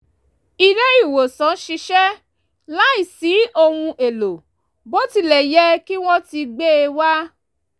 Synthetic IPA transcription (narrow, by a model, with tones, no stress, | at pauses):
i˧lɛ˦i˦˨wo˨sã˨˦ʃi˧ʃɛ˦ | la˦i˦˨si˨˦o˧hũ˧ʔe˨lo˨ | bo˦ti˧˦lɛ˨jɛ˦ki˦w̃ɔ̃˦ti˧ɡ͡be˦e˧wa˦